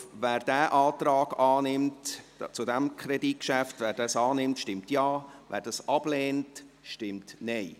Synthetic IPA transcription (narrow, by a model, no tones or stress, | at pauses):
væːɾd̥æːʔɑːtɾɑːɡ̥ɑːnɪmtt͡sudɛmkʰrɛdit̚kʃæftvæːɾdɑsɑːnɪmtʃtɪmtjɑːvæ̰ːɾd̥ɑsʔɑb̥leːnt | ʃtɪmtnɛɪ